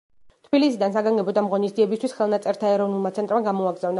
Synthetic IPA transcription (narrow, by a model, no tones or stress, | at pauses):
t̪ʰb̥ilisid̪ansaɡaŋɡɛbɔd̪amʁɔnisd̪ziɛbist̪ʰwisχɛlˠnat̪sʼɛɾt̪ʰaɛɾɔvnulˠmat̪sʰɛnt̪ʼɾmaɡamɔaɡɾzavna